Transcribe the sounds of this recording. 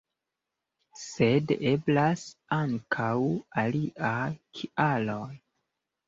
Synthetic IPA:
se̞de̞blasaŋkʰawaliʔakʰiʔaloj

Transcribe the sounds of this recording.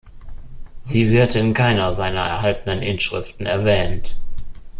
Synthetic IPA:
ziːvɪɐtɪnkʰaɪnɐzaɪnɐɛ̰ɐhɦaltn̩ənʔɪnʃʁ̥ɪ̰ftn̩ɛɐvɛːnt

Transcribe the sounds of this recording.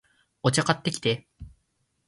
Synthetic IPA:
ot͡ɕakat̪ːe̞kʲi̥t̪e̞

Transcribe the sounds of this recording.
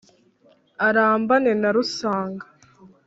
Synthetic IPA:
aɾaːmbane̞naɾusaːŋɡḁ

